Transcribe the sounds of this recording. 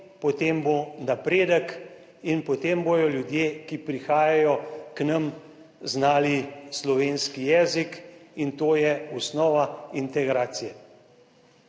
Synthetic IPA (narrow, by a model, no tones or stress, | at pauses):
pɔt̪embonapɾeːd̪ək | inpɔt̪emboːj̪ɔljud̪jeːkipɾixaːjajɔknɐm | znaːlislɔʋeːnskijɛːzikint̪oːjɛusnɔːʋaint̪ɛɡɾaːt̪sijɛ